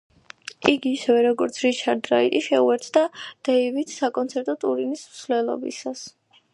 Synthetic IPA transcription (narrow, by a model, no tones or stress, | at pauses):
iɡiːsɛvɛɾɔɡɔɾt̪sʰɾit͡ʃʰaɾd̪ɾait̪ʼiʃɛuɛɾt̪ʰd̪ad̪̥ɛivit̪ʰsakʼɔnt̪sʰɛɾt̪ʼɔt̪ʼuɾinismsvlɛlˠɔ̰bḭsas